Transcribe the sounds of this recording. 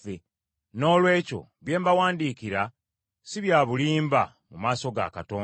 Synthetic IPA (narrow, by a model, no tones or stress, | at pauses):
e | no̞ːlwe̞ːco̞̰ | βje̞ːmbawaːndiːkiɾa | siβjaːβuliːmba | mumaːso̞ɡa̰katoː